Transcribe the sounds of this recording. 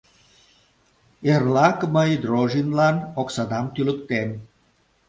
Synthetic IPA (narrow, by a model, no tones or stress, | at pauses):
eɾlˠakməjid̪ɾoʒinlanoksad̪amt̪ylupt̪en